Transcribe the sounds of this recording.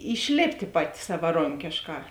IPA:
ɪʃʲˈlʲeːpʲtʲeː ˈpɑːˌtʲɪ sɐʋɐˈroːŋʲkʲeːʃˌkɑː

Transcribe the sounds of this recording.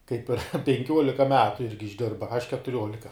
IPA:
ˈkɐɪp pʲɛŋʲˈkʲuɔlʲɪkɐ ˈmʲæːtʊ ˈɪrʲɡʲɪ ɪʒʲˈdʲɪrbɐ ɐʃ kʲɛtʊˈrʲoːlʲɪkɐ

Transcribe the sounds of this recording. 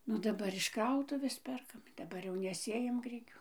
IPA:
nʊ dɐˈbɐr ɪʃ ˈkrɐʊtʊʋʲeːs ˈpʲɛrkɐm dɐˈbɐr ˈjɛʊ nʲɛˈsʲeːjɛm ˈɡrʲɪkʲuː

